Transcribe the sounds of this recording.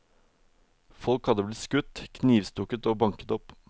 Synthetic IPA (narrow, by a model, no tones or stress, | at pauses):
fɔlkhɑd̪əblɪt̪skʉt̪kʰniːʋst̪ʊkət̪oːbɑŋkət̪ɔp